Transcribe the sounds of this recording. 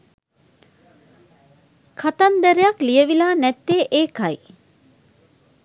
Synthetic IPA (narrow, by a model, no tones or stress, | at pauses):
kʰat̪ɐnd̪əɾejaklijəʋilaːnɛt̪ːeːʔeːkɐj